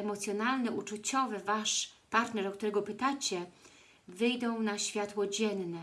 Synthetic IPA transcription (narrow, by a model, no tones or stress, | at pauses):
ɛmɔt̪sʲjɔnalnɛʔut͡ʂut͡ɕɔvɛvaʂpaɾt̪nɛɾɔk̚t̪uɾɛɡɔpɘt̪at͡ɕɛ | vɘjd̪ɔ̃w̃naɕfʲjat̪wɔd͡ʑɛnːɛ